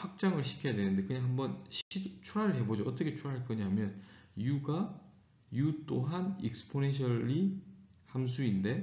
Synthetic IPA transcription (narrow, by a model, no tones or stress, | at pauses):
ɸak̚t͡ɕ͈aŋɯɭɕʰi̥kʰjʌjadwe̞nɯnde̞kɯɲaŋɦambʌnɕit͡ɕʰuɾaɾɯɭɦe̞bod͡ʑoʌt͈ʌkʰe̞t͡ɕʰuɾaɾɭk͈ɯɲamjʌnjuɡa | jut͈oɦanik̚sɯ̥pʰonenɕ̬ʰʌʎihams̬ʰuinde̞